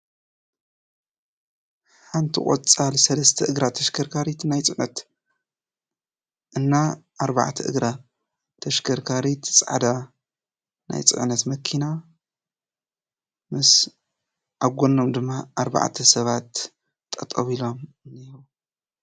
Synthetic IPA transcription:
ħant̪ʰikʼo̰t͡sʼːalsɐlɐst̪ʰɐʔɨɡɾat̪ʰɐʃkʰɐɾkʰaɾit̪najt͡sʼɨʕnɐ̰t̪ | ʔɨnːaʔaɾβa̰ʕt̪ʰɐʔɨɡɾa | t̪ʰɐʃkʰɐɾkʰaɾit̪ʰt͡sʼa̰ʕd̪a | na̰jt͡sʼɨ̰ʕnɐt̪mɐkʰina | mɨs | ʔaβɡʷonːomd̪ɨmːaʔaɾba̰ʕt̪ʰɐsɐβat̪ːʼ | ɐ̰t̪ʼɐβilo̞m | niɾu

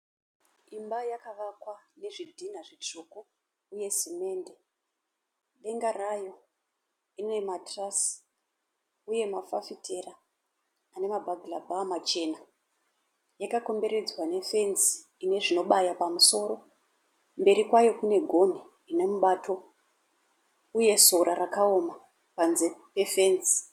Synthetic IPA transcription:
imbajakaʋakwane̞ʐidʱinaʐit͡ʂukuː | je̞sime̞ːnde̞ | ɗe̞ŋɡarajo̞ | inoematrasi̥ | uje̞mafafitʰe̞raː | ne̞mabʱaɡʱilabʱamat͡ʃe̞na | jakako̞mbe̞ɾe̞d͡zwane̞fe̞nzi̥ | ine̞ʐino̞ɓajapamuso̞ɾo̞ | mbe̞ɾikwajo̞kune̞ɡʱo̞ni | ine̞muɓaːtʰo̞ | uje̞so̞ɾarakaoma | panzepe̞fe̞ːnzi̥

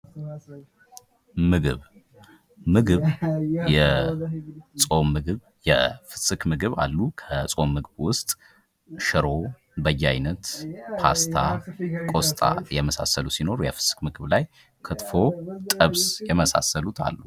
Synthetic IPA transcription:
mɨɡɨβ | mɨɡɨβjɛ | sʼo̞mːɨɡɨβ | jɛ̰fɨ̥sɨkmɨɡɨβa̰lːukʰəsʼo̞mːɨɡɨβwʊst̪ʼ | ʃɨɾo | bəjːajnət̪pʰa̰st̪ʰakʼo̞st̪ʼa̰jɛməsa̰səlusino̞ɾujɛfɨ̥sɨ̥kmɨɡɨβlaj | kʰɨt̪ʼfo̞t̪ʼəβsjɛməsa̰səlut̪ʰa̰lːu

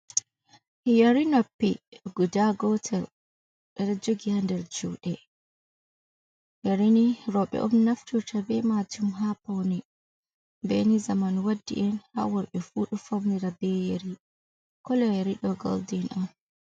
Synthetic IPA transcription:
hjaɾinopːiɡudaɡɔtʰɛl | ɗɛɗad͡ʒoɡihandɛɾd͡ʒṵɗɛ | jaɾiniɾɔɓɛ̰ʔɔmnaftuɾtʰabɛmatumɦapawni | bɛ̰nizamanwadːḭʔɛnha̰wɔɾɓɛfuɗufawniɾabɛjeɾi | kɔlɛjaɾiɗɔɡɔ̰ldinʔan

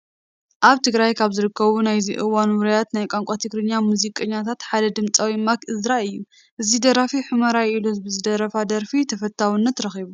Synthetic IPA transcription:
ʔaβt̪ʰɨɡɾajkʰaβzɨɾɨkʰːɐβunajziʔɨwanwɨɾɐjat̪najkʼaŋkʷʼat̪ʰɨɡɾɨɲːamuzikʼɐɲːat̪ʰat̪ħad̪ɐd̪ɨmt͡sʼawimakɨzɾaɨjːu | ʔɨzid̪ɐɾafiħɨmɐɾajiluzbɨzɨd̪ɐɾɐfad̪ɐɾfit̪ʰɐfɐt̪ʰːawɨnːɐt̪ɾɐxiβu

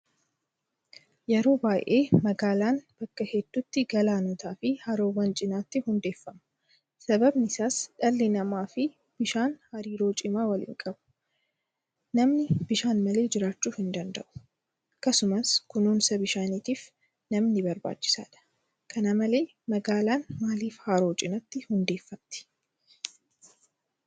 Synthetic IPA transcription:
jɛɾo̞ːbaːjʔeːmɐɡaːlaːnb̥ɐkːɐhɛd̪̥ːʊt̪ːɪɡɐlaːnɔt̪aːfɪhɐɾoːwɐnt͡ʃʼɪnaːt̪ːɪhʊnd̪e̞ːfːɐmɐ̥ | sɐbɐbnɪsaːsᶑɐlːɪnɐmaːfɪ | b̥ɪʃaːnhɐɾiːɾo̞ːt͡ʃʼɪmaːwɐlɪ̰ŋkʼɐbʊ̥ | nɐmnɪbɪʃaːnmɐle̞ːd͡ʒɪɾaːt͡ʃːuːhɪnd̪ɐnd̪ɐ̰ʔʊ̥ | kːɐsʊmɐskʊnuːnsɐbɪʃaːnit̪iːf | nɐmnɪbɐɾba̰ːt͡ʃːɪ̥sa̰ːᶑɐ̥ | kʰɐnɐmɐle̞ː | mɐɡaːlaːnmaːliːfhaːɾo̞ːt͡ʃʼɪnɐt̪ːɪhʊnd̪e̞ːfːɐmt̪ɪ̥

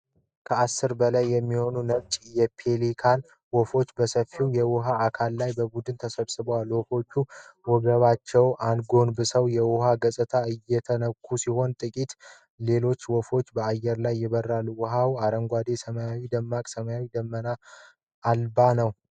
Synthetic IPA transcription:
kʰəasːɨɾbəlajːɛmːiho̞nunəβt͡ʃʼjɛpʰelikʰan | wɔfo̞t͡ʃːbəsəfːiwjɛwɔɦaːkʰalːajbəbud̪ɨnt̪ʰəsəβsɨbəwalwɔfo̞t͡ʃːuwɔɡəβat͡ʃːɛwand̪ɡo̞nbɨsəwjɛwɔɦaɡəsʼɨt̪ʰaɨjːɛt̪ʰənəkʰːusiho̞nt̪ʼɨkʼit̪ | le̞lo̞t͡ʃːwɔfo̞t͡ʃːbəajːɛɾlajːɪβərːalːuwɔɦawaɾəŋɡʷad̪e̞səməjawid̪əmːakʼsəməjawid̪əmːənaː | lbanəw

